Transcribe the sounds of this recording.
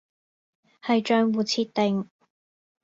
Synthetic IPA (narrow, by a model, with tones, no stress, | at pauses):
hɐ˨jt͡ʃœː˧ŋwuː˨˩t͡sʰiː˧˥t̪̚e˨ŋ